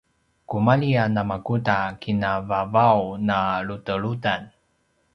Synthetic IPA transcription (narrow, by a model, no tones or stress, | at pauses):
kumaɭianamakutakinavavawnaɭutəɭutan